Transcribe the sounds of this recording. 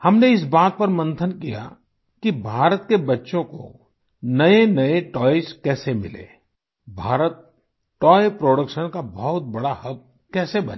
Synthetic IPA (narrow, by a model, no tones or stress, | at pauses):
hɐmneɪsbaːt̪̚pɐɾmə̃nt̪ʰənkija̰ | kibʱaːɾət̪kebɐtːʃõko̰ | nɐenɐeʈɔːeskɛːsemɪ̰lḛː | bʱaːɾət̪̚ | ʈɔːepɾoːɽəkʃənkabɐɦʊt̪̚bɐɽahɐb̚ | kɛːsebɐ̰ne